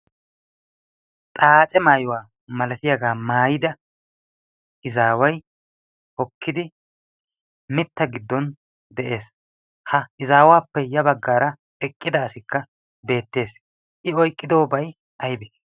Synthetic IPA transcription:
t̪ʼaːt͡ʃʼɛmaːjʊwaː | mɐlɐt̪ɪjaɡaːmaːjɪd̪ɐ | ʔɪzaːwɐj | ʔɔkʰːɪd̪ɪ | mɪt̪ːɐɡɪd̪ːɔn | d̪ɛʔe̞ːs | hɐɪzaːwaːpːɛjɐbɐɡːaːɾɐ | ɛkʼːɪd̪ɐːsɪkːɐ | be̞ːt̪ːe̞ːs | ʔɪɔjkʼːɪd̪oːbɐj | ʔɐjbe

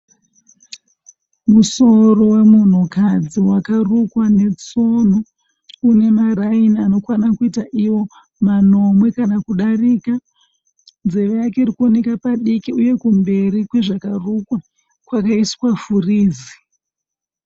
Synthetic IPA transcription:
muso̞ro̞we̞mun̤ukad͡ziwakarukwane̞t͡so̞n̤o | une̞maɾainiano̞kwanakuitaʔiwo̞ | mano̞mwe̞kanakuɗariːka | nze̞ʋejakeiɾikuonekapaɗikiuje̞kumbe̞rikweʐakarukwa | kwakaiskwafuriːzi

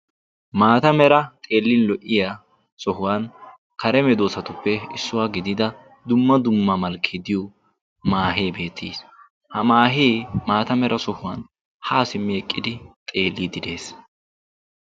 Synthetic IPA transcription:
maːt̪ɐmɛɾɐt̪ʼe̞ːlːɪnlɔʔːɪja | sɔhʊwaːn | kɐɾɛmɛd̪oːsɐt̪ʊpːɛɪsːʊwaːɡɪd̪ɪd̪ɐ | d̪ʊmːɐd̪ʊmːɐmɐlkʰːid̪ɪjo | maːɦeːbe̞ːt̪ːḭːs | hɐmaːɦeːmaːt̪ɐmɛɾʔɐsɔhʊwaːn | haːsɪmːɪɛkʼːɪd̪ɪt̪ʼe̞ːlːid̪ɪd̪e̞ːs

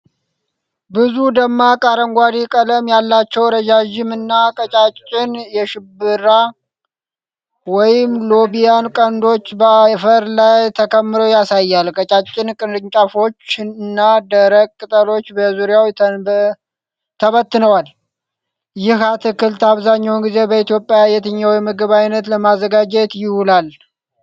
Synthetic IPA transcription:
bɨzud̪əmːakʼaɾəŋɡʷad̪ikʼələmjalːat͡ʃːɛwɾəd͡ʒaʒɪmɨnːakʼət͡ʃʼat͡ʃʼt͡ʃʼɪnjɛʃɪbɨɾa | wɔjɪmlo̞bijankʼənd̪o̞t͡ʃːbəfəɾlajt̪ʰəkʰəmːɨɾojasajːalkʼət͡ʃʼat͡ʃʼːɪnkʼɨnɾɨɲt͡ʃʼafo̞t͡ʃːɨnːad̪əɾəkʼkʼːɨt̪ʼəlo̞t͡ʃːbəzuɾijaw̪ | t̪ʰəβət̪ːɨnəwal | jɪhat̪ʰɨkɨlt̪ʰaβzaɲːawnɡize̞bəit̪jo̞pʼːjajɛt̪ʰəɲːawjɛməɡɨβajnət̪ləmazəɡad͡ʒɛt̪jɪhulal

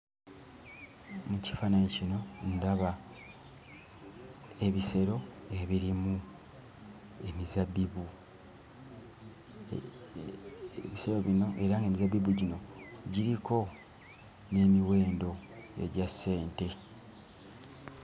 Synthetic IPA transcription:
muci̥fanaɲecino̞ndaβa | eβise̞ɾo̞e̞βiɾimu | e̞mizabiβu | βise̞ɾo̞βino̞ʔe̞ɾaŋɡemizabiβuɟino̞ɟiɾikʰo̞ | ne̞miwe̞ːndo̞ḛɟasːe̞ːnte̞

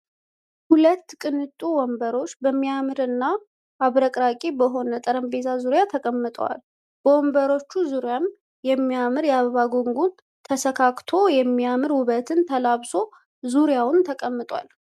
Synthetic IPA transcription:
hulət̪ːkʼɨnɨt̪ʼuwɔmbəɾo̞t͡ʃːbəmːijamɨɾɨnːa | ʔːβɾəkʼɾakʼebəɦo̞nət̪ʼəɾəmbe̞t̪ʰazuɾjat̪ʰəkʼəmːɨt̪ʼəwa̰l | b̥əwɔmbəɾo̞t͡ʃːuzuɾjam | jɛmːiamɨɾjaβəβaɡoŋɡu | t̪ʰəsəkʰakʼt̪ʰo̞jɛmːiamɨɾwʊβət̪ʰɨnt̪ʰəlaβso̞ | zuɾjawʊnt̪ʰəkʼəmːɨt̪ʼwa̰l

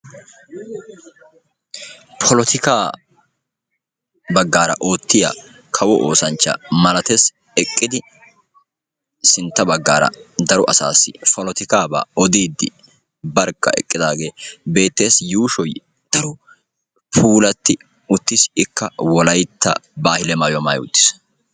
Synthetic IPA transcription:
pʰɔlɔt̪ʰɪkaː | bɐɡːaːɾɐ̰ʔoːt̪ːɪja̰ | kʰɐwɔʔoːsɐnt͡ʃːɐ̰mɐlɐt̪eːs | ɛkʼːɪd̪ɪ | sɪnt̪ːɐbɐɡːaːɾɐ̰d̪ɐɾɔʔɐsa̰ːsːɪpʰɔlɔt̪ɪkaːba̰ːɔd̪iːd̪ːɪ | bɐɾkːɐ̰ɛ̰kʼːɪd̪aːɡe̞ːbe̞ːt̪ːe̞ːsjuːʃɔj | d̪̥ɐɾʊ | pʰuːlɐt̪ːɪ | ʊt̪ːɪsɪkʰːɐwɔlɐjt̪ʰːɐ̰baːhɪlɛmaːjɔma̰ːjʊ̰t̪ːɪ̥s

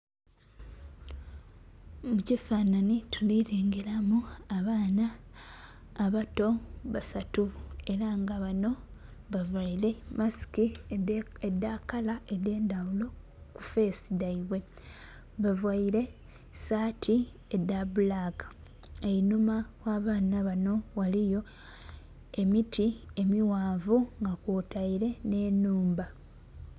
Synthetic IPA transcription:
mucifananitʰuliɾeːŋɡeɾamuaβaːnaː | βato̞βasatue̞ɾaŋɡaβano̞ | βavwaiɾe̞masi̥ki | edːakalaʔe̞de̞ːndawulo̞ | ku̥fe̞ːsidaiβwe̞ | βavwaiɾe̞ | saːtʰi | edabulakḁ | einumawaːβaːnaβano̞walijo̞ | e̞mitʰie̞miwaːvuŋɡakoːtaiɾe̞ne̞nuːmba

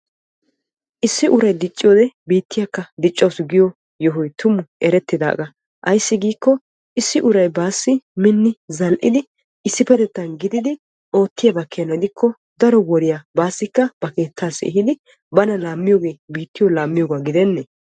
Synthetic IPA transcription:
ʔɪsːɪʔʊɾɐjd̪ɪt͡ʃʼːɪjoːd̪ɛbiːt̪ːɪjɐkːɐd̪ɪt͡ʃʼːɐwsɡɪjɔ | jɔɦʊjt̪ʰʊmːʊɛɾɛt̪ːɪd̪a̰ːɡɐ | ʔɐjsːɪɡiːkːɔ | ʔɪsːɪʔʊɾɐjbaːsːɪmɪnːɪzɐlʔɪd̪ɪ | ɪsːɪpɛd̪ɛt̪ːɐnɡɪd̪ɪd̪ɪ | o̞ːt̪ːɪjɐbɐkʰːenɛd̪ɪkʰːɔ | d̪ɐɾɔwɔɾɪjabaːsːɪkːɐb̥ɐke̞ːt̪ːaːsɛ̰ɦɪd̪ɪ | bɐnɐlaːmːɪjoːɡe̞ːbiːt̪ːɪjɔlaːmːɪjoːɡaɡɪd̪ɛnːɛ

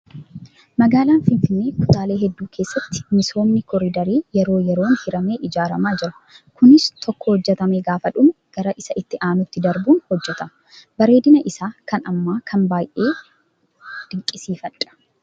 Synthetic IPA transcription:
mɐɡaːlaːnfɪnfɪnːe̞ːkʊt̪ʼaːle̞ːɦɛd̪ːuːkʰe̞ːsːɐt̪ːɪ̥mɪso̞ːnːɪkɔɾɪd̪ɐɾiːjɛɾo̞ːjɛɾo̞ːnhɪɾɐme̞ːʔɪd͡ʒaːɾɐmaːd͡ʒɪɾɐ | kʊnɪst̪ʰɔkːɔhɔd͡ʒːɛt̪ɐmeːɡaːfɐᶑʊmɐɡ̥ɐɾɐʔɪsɐʔɪt̪ːɪʔaːnʊt̪ːɪd̪ɐɾbuːnhɔd͡ʒːɛt̪ɐm | bɐɾe̞ːd̪ɪnɐʔɪsaːkɐnɐmːaːkʰɐmbaːjʔe̞ː | d̪̥ɪŋkʼɪsiːfɐᶑɐ̥

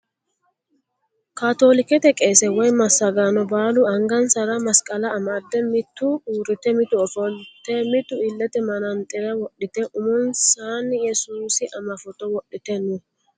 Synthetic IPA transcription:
kaːt̪o̞ːlɪkɛt̪ɛkʼeːsɛwɔjmɐsːɐɡaːnɔbaːlʊɐŋɡɐnsɐɾɐmɐskʼɐlɐːmad̪ːɛmɪt̪ːʊuːɾɪt̪ɛmɪt̪ʊɔfɔlt̪ːɛmɪt̪ːʊɪlːɛt̪ɛmɐnɐnt̪ʼɪɾɐwɔɗɪt̪ɛʔʊmɔnsaːnːɪjɛsuːsɪʔɐmɐfɔt̪ɔwɔɗːɪt̪ɛnʊ

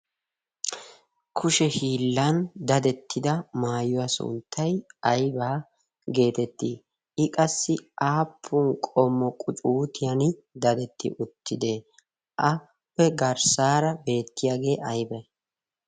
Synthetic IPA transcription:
kʰʊʃɛhiːlːɐnd̪ɐd̪ɛt̪ːɪd̪ɐmaːjʊwasʊ̰nt̪ʰːɐjɐjbaː | ɡe̞ːt̪ɛt̪ːiː | ɪkʼɐsːɪʔaːpʰːʊnkʼɔmːɔkʼʊt͡ʃʼuːt̪ɪjɐn | d̪ɐd̪ɛt̪ʰːɪ̰ʔʊt̪ʰːɪd̪e̞ː | ʔɐ | pːɛɡɐɾsaːɾɐbe̞ːt̪ːɪjaːɡe̞ːʔɐjbɐ

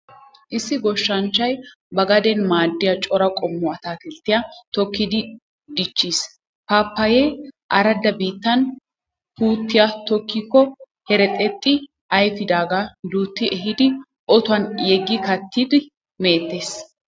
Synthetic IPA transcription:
ʔɪsːɪɡɔʃːɐnt͡ʃːɐj | bɐɡɐd̪ɛnmaːd̪ːɪjɐt͡ʃʼɔɾɐkʼɔmːɔɐt̪aːt̪ɪlt̪ːɪjat̪ɔkːɪd̪ɪ | d̪ɪt͡ʃːis | paːpːɐjeːʔɐɾɐd̪ːɐbiːt̪ːɐn | huːt̪ːɪjat̪ɔkːiːkːɔ | hɛɾɛt̪ʼɛt̪ʼːɪ | ʔɐjfɪd̪aːɡad̪uːt̪ːɪʔɛɦɪd̪ɪ | ʔɔt̪ʊɐnjɛɡːɪkɐt̪ːid̪ɪ | meːt̪ːeːs

